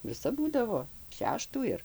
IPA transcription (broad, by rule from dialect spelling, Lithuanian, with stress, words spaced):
ʋʲɪˈsɐp ˈbuːdɐʋoː ˈʃʲæːʃtuː ɪr